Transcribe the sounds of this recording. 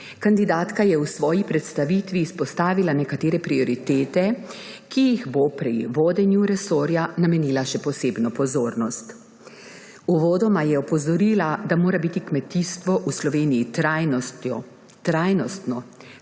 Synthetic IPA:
kand̪id̪aːt̪kajɛwsʋɔːjipɾɛt̪st̪aʋit̪ʋiːspɔst̪aːʋilanɛkat̪eːɾɛpɾiɔɾit̪eːt̪ɛ | kijiɣbopɾḭʋoːd̪ɛnjuɾɛsoːɾjanamɛniːlaʃɛpɔseːbnɔpɔzoːɾnɔst̪ | uʋoːd̪ɔmajɛɔpɔzɔɾiːlad̪amoːɾabit̪ikmɛt̪ist̪ʋɔʔuslɔʋeːnijit̪ɾajnɔ | t̪ɾaːjnɔst̪nɔ

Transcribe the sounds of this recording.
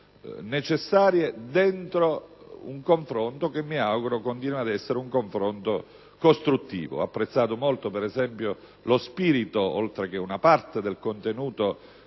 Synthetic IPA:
net͡ʃesːaːɾjed̪ent̪ɾo | uŋkoɱfɾont̪ok̟emːiawɡuɾokont̪iːnwad̪ɛsːeɾeuŋkoɱfɾont̪o | kost̪ɾut̪ːḭːvo̰apːɾet̪sːaːt̪omolt̪opɛɾɛzɛmpjo | lospiːɾit̪oo̰lt̪ɾek̟eunapart̪ed̪elkont̪enuːt̪o

